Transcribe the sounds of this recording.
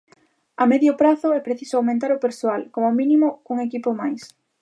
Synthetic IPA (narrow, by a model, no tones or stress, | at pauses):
amɛðjʊpɾaθʊɛpɾeθisʊawmẽnt̪aɾʊpeɾsoalkomʊmĩnimʊkuŋekipʊmajs